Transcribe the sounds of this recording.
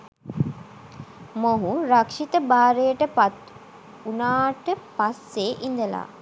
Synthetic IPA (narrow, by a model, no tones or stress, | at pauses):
moɦuɾakʂit̪əbaːɾejəʈəpat̪ | unaːʈəpasːeʔind̪əla̰ː